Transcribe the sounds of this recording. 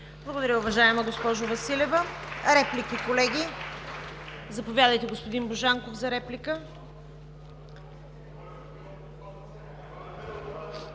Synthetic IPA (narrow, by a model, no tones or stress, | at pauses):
blˠəɡod̪ɐɾʲəʊvɐʒaɛməɡospɔʒʊvɐsilɛvəɾɛplikikolɛɡʲi | zɐpovʲjad̪əjt̪ɛɡospod̪inboʒaŋkofzɐɾɛplikə